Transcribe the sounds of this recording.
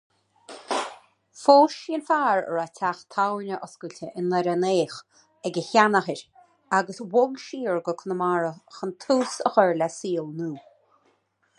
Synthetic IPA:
foːʃinfaːɹə̰ɹatʰaxt̪ʰawnəʔɔsɡulʲtʰəʔɪnlɛɾəneːx | ɛɡəçanaxəɾ | aɡəswʊɡʃiːɹɡəkʰənəmaɹəxənt̪ʰuːsə̰xəɹlasiːlnuː

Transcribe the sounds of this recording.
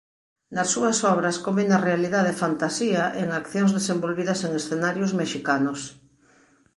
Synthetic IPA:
nɐsːuɐsɔβ̞ɾɐskomenɐrealiðaðefant̪asiɐʔeŋakθjoŋzðesembolβiðɐseŋesθenaɾjozmeʃikanos

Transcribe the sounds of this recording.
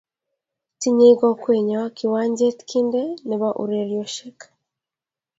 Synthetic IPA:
tiɲiɡakweːɲakiwaːɲɟetkʰindeniβaʔṵɾeɾjoʃekḁ

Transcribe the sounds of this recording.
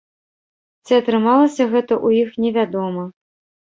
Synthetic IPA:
t͡sʲiɐt̪ɾɨmalˠɐsʲɐɣɛt̪ɐʔujixnʲɛvʲad̪ɔmɐ

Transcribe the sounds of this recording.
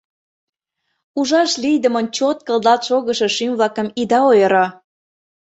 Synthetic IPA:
uʒɑʃlijd̪ə̆mə̆nt͡ɕot̪̚kə̆lˠd̪ɑt̪ʃoɣə̆ʃĕʃymβlɑkə̆mid̪ɑojəɾɑ

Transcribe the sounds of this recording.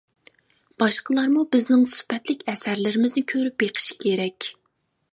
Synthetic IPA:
b̥ɑʃqəlˠɑɾmubɪznɪŋsy̥pɛt̪lɪkʲɛsæɾlɪɾɪmɪznɪkʲʰøɾyp̚beqʰɨ̥ʃi̥kʲʰeɾɛkʲ

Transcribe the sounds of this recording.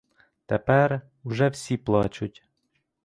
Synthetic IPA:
t̪ɛpɛr | ʊʒɛwsʲiplˠɑt͡ʃʊtʲ

